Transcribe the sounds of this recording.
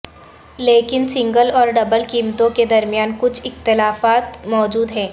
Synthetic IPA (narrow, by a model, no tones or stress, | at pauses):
leːkɪnsɪ̃ŋɡəlɔːɾɖɐbəlkiːmt̪õked̪ɐɾmijaːnkʊt͡ʃʰɪxt̪ɪlaːfaːt̪mɔːd͡ʒuːd̪ɦɛ̃ː